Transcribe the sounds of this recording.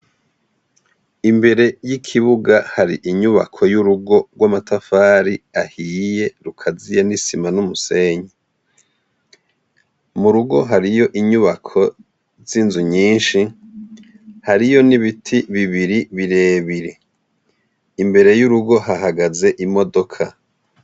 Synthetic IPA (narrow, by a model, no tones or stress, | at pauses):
imbe̞ɾe̞jikʰiβuɡahaɾiʔiɲuβa̰kʰo̞juɾuɡo̞ɡwamatafaːɾiahije̞ɾukʰazijanisimanumuse̞ːɲe | muɾuɡo̞ɦaɾijo̞ʔiɲuβakʰo̞ | zinzuɲiːnʃi | haɾijo̞niβitʰiβiβiɾiβiɾe̞ːβiɾe | imbe̞ɾe̞juɾuɡo̞haɦaɡaze̞ʔimo̞do̞kʰa